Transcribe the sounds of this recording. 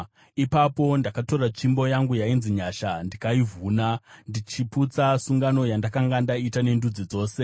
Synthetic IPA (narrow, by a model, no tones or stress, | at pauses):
ipapo̞ndakato̞rat͡ʃimbo̞jaŋɡujainziɲaʃandikaivʱuːnandit͡ʃiput͡sasuŋɡano̞jandakaŋɡandaitane̞ndud͡zid͡zo̞ːse̞